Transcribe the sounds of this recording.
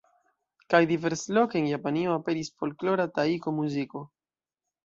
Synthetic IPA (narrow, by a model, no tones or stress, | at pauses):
kajdive̞ɾslo̞keenjapanio̞ape̞ɾisfo̞lklo̞ɾataiko̞muziko̞